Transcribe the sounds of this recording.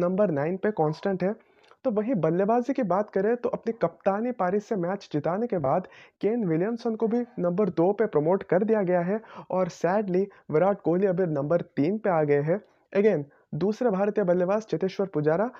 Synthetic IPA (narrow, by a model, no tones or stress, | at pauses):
nɐ̃mbəɾnaːɪnpekɔ̃ːnsʈə̃ɳʈɦɛ | t̪oʋɐɦĩbɐljəbaːzikibaːt̪kɐɾẽt̪oʔɐpnikɐp̚t̪aːnipaːɾisemɛːt͡ʃd͡ʒɪt̪aːnekebaːd̪keːnʋɪljəmsənkobʱinɐ̃mbəɾd̪oːpepɾɐmoːʈkɐɾd̪ijaɡɐjaɦɛɔːɾsɛːɖli | ʋɪɾaːʈ̚koːliɐbʱɪɾnɐ̃mbəɾt̪iːnpeaːɡɐeɦɛ | ɐɡeːn | d̪uːsɾebʱaːɾt̪ijəbɐlːjəbaːzt͡ʃɐt̪eːʃʋəɾpʊd͡ʒaːɾa